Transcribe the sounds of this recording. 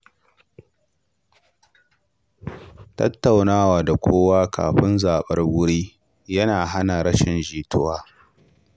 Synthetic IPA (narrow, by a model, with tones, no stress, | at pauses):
tɐ̰˦tːa˨wnaː˦waː˨da˨kʷʰoː˦waː˦kʰa̰ː˨ɸɪ˦nzaː˨ɓɐ̰˦rwʊ˦ɽiː˦ | jɐ˦naː˨ɦa˦na˨ɾɐ˦ʃɪ˨nʒiː˨tʰʊ˦waː˦